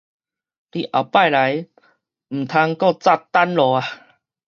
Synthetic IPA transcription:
t̪i˧˩ʔa˨˩pa˥˨jla˨˦j | m̩˨˩t̪ʰa˧ŋkɔ˥˧t͡sa˥˧˩t̪a˦nlɔ˨a˨˧˦

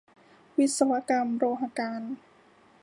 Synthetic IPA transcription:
wi˦˥t̪̚sa˧wa˧˥ka˧mɾoː˧ɦa˧kaː˧n

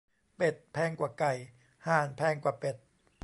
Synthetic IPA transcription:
pe˨˩t̪̚pʰɛː˧˩ŋkwaː˨˩ka˨˩j | haː˨˩npʰɛː˧˩ŋkwaː˨˩pe˨˩t̪̚

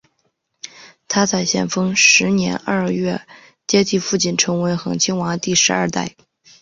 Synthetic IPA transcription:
t̪ʰa˥t͡sʰa˥˩ɪɕjɛ̰˥˩nfɤ˥ŋʂɻ̩˧˥njɛ̰˧˥nə˞˥˧˥ɥɛ˥˩ | t͡ɕjɛ˥t̪ʰi˥˧fu˥˧t͡ɕi˥˩nʈ͡ʂʰɤ˧˥ŋwe˧˥ɪxɤ̰˨˩ŋt͡ɕʰi˥ŋwɑ˧˥ŋt̪i˥˩ʂɻ̩˧˥ɐ̰˞˥˧t̪a̰˥˩ɪ

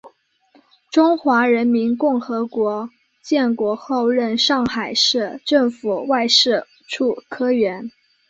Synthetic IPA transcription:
ʈ͡ʂʊ˥ŋxwa˧˥ɻə˧˥nmi˧˥nkʊ˥˩ŋxɤ˧˥kwɔ˧˥ | t͡ɕjɛ˥˩nkwɔ˧˥xo˥˧ʊɻə˥˧nʂɑ˥˩ŋxa˨˩ɪʂɻ̩˥˧ʈ͡ʂɤ˥˩ŋfu˨˩wa˥˧ɪʂɻ̩˥˩ | ʈ͡ʂʰu˥˩kʰɤ˥ɥɛ˧˥n

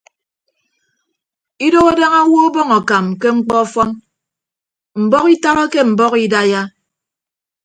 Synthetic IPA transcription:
i˦do˦ɣa˦da˦ŋa˦wɔ˦o˦bɔ˦ŋɔ˨ka˨mke˦ŋ͡m̩˦k͡pɔ˦ɔ˦fɔ˦n | m̩˨bɔ˦ki˦ta˦ɾɔ˦ke˦m̩˨bɔ˦ki˦da˦ja˦

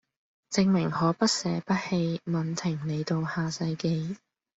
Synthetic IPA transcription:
t͡sɪ˧ŋmɪ˨˩ŋhɔː˨˥pɐ˥t̚sɛː˨˥pɐ˥t̚he˧jmɐ˨˧nt̪ʰɪ˨˩ŋne˨˧jt̪o˧whaː˨sɐ˧jke˧j

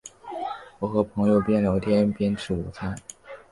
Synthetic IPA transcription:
wɔ˨˩xɤ˧˥pʰɤ˧˥ŋjo˨˩ʊpjɛ˥nljɑ˧˥ʊt̪ʰjɛ˥npjɛ˥nʈ͡ʂʰɻ̩˥˩u˨˩t͡sʰa˥˩˦

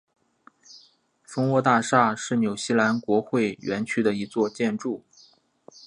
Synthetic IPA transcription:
fɤ˥ŋwɔ˥˧t̪a˥˧ʂa˥˧ʂɻ̩˥˩njo˨˩ʊɕi˥la˧˥nkwɔ˧˥xwe˥˩ɪɥɛ˧˥nt͡ɕʰy˥d̪ə˨i˧˥t͡swɔ˥˧t͡ɕjɛ˥˧nʈ͡ʂu˥˩

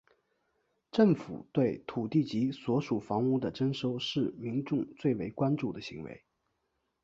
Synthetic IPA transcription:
ʈ͡ʂɤ˥˩ŋfṵ˨˩t̪we˥˩ɪt̪ʰu˨˩t̪i˥˩t͡ɕi˧˥swɔ˧˥ʂu˨˩fɑ˧˥ŋu˥˩d̪ə˨ʈ͡ʂə˥nʂo˥ʊʂɻ̩˥˩mi˧˥ŋʈ͡ʂʊ˥˧ŋt͡swe˥˩ɪwe˧˥ɪkwa˥nʈ͡ʂu˥˩d̪ə˩ɕḭ˧˥ŋwḛ˧˥ɪ

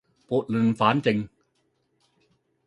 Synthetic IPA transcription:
pu˨˩t̪̚lɯ˧nfaː˨˦˥nt͡ɕe˧ŋ

